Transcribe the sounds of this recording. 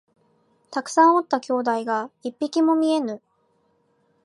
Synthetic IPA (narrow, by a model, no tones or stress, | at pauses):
t̪akɯ̟̥sãɰ̃o̞t̪ːakʲo̞ːd̪aiɡaipʲːikʲimo̞mʲie̞nɯ̟